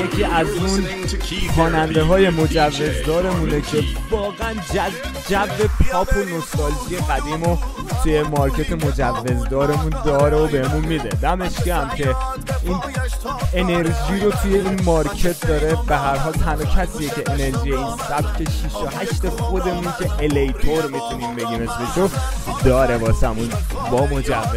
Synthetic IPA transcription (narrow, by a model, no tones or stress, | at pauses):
jekʰiːʔæzunxɒːnænd̪e̞ɦɒːje̞mo̞d͡ʒævːe̞zd̪ɒːɾe̞mune̞cʰe̞vɒːɣeænd͡ʒd͡ʒævːe̞pʰɒːpʰo̞no̞st̪ɒːlfije̞ɣæd̪iːmo | t̪ʰuje̞mɒɾcʰe̞t̪ʰe̞mo̞d͡ʒævːe̞zd̪ɒːɾe̞mund̪ɒːɾeobe̞hemunmid̪e̞̰d̪æme̞ʃciæmcʰe̞ | ʔiːn | ene̞ɾʒiːɾot̪ʰujeiːnmɒɾcʰe̞t̪̚ʰd̪ɒːɾe̞beɦæɾɦɒːlt̪ʰænocʰæsijecʰe̞ʔene̞ɾʒiːjeinsæbcʰeʃiʃoɦæʃt̪e̞xo̞d̪e̞muncʲʰe̞ʔelejt̪ʰoɾmit̪ʰuniːmbe̞ɟiːme̞smiʃod̪ɒːɾe̞bɒːsæmun | bɒːmo̞d͡ʒævːe